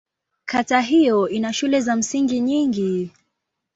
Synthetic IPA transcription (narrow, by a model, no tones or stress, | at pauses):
kʰataɦijɔinaʃulɛzam̩siŋɡiɲiŋɡi